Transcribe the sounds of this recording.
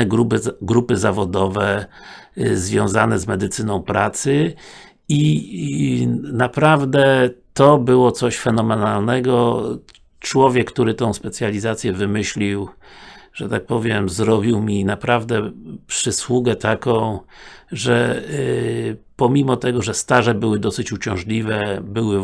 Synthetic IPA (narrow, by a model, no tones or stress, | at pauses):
ɛɾuɡɾupɘzavɔd̪ɔvɛ | zvʲjɔ̃w̃zanɛzmɛd̪ɘt̪sɘnɔ̃w̃pɾat̪sɘ | i | napɾavd̪ɛt̪ɔbɘwɔt̪sɔɕfɛnɔmɛnalnɛɡɔ | t͡ʂwɔvʲjɛkkt̪uɾɘt̪ɔ̃w̃spɛt̪sʲjalʲizat̪sʲjɛvɘmɘɕlʲiw | ʐ̥ɛt̪ak̚pɔvʲjɛmzɾɔbʲiwmʲinapɾavd̪ɛpʂɘswuɡɛt̪ʰakɔ̃w̃ʐɛ | pɔmʲimɔt̪ɛɡɔʐɛst̪aʐɛbɘwɘd̪ɔsɘt͡ɕut͡ɕɔ̃w̃ʐlʲivɛbɘwɘ